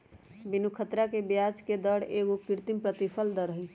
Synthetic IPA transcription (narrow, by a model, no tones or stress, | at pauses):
binukʰət̪ɾakebjad͡ʒked̪əɽeɡokiɾt̪impɾət̪ipʰəld̪əɾəɦə